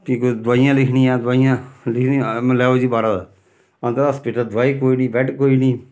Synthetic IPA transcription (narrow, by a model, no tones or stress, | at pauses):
kikod̪ʋaːijãːlɪkʰniːãːd̪ʊʋaːijãːlɪkʰnim̃lɛːoːd͡ʒiːbaːɾãːd̪aː | ə̃nd̪əɾəspɪʈəd̪ʋaːiːkoːiːniːbɛːʈkoːiːnĩː